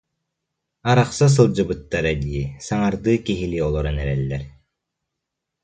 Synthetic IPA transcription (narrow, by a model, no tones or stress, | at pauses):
aɾaχsas̬ɯlˠd͡ʑɯbɯt̪ːaɾad̪iːsaŋaɾd̪ɯːkiɦiliɔlˠɔɾɛnɛɾɛlːɛɾ